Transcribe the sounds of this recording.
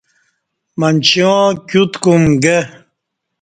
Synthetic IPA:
mant͡ɕjõːkʲut̪kumɡe

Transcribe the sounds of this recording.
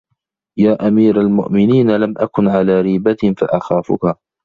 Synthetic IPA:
jaːʔamiːɾalmʊʔmɪniːnalamʔakʊnʕalaːɾiːbafaʔaxaːfʊ̰ka

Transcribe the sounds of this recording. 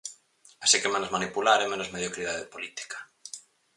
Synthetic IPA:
asikemẽnozmanipulaɾemẽnozmeðjokɾiðaðeepolit̪i̥kḁ

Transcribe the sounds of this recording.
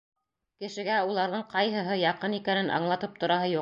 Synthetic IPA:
kɘ̆ʃɘ̆ɡæulˠɑɾðɤɴqɑjɦɤ̆ɦɤjɑqɤnikænɘnʔɑ̰ɴlˠɑt̪ɤp̚t̪ŏɾɑɦɤjuq

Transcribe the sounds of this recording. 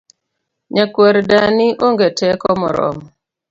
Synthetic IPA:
ɲakwɛɾdaniʔoŋɡetʰɛkɔmɔ̰ɾɔ̰m

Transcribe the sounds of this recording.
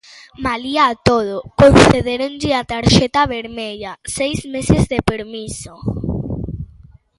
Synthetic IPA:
maliaːt̪oð̞okõnθeðeɾõnʎɪat̪aɾʃet̪aβeɾmeʎasejzmesezðepeɾmiso

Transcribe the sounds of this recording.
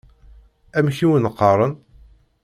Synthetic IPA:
æmçiwənəqːɑɾˤən

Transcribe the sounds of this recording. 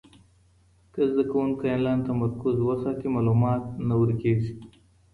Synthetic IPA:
kəzd̪əkɐwunkɐjnlant̪ɐmɐɾkuzwɐsaːt̪imaːlumɑːt̪̚nɐwəɾkesi̥

